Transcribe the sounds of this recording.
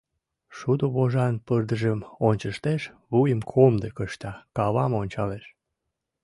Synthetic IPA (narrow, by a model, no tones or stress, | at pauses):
ʃud̪oβoʒɑnpərd̪əʒəmonʲt͡ɕəʃt̪eʃβujəmkʰomd̪ekəʃt̪ɑkɑβɑmonʲt͡ɕɑleʃ